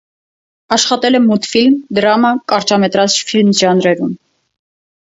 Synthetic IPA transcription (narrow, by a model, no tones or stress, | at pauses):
ɑʃχɑt̪ɛlɛmut̪filmd̪ɾɑmɑkɑɾt͡ʃɑmɛt̪ɾɑt͡sfilmʒɑnɾɛɾum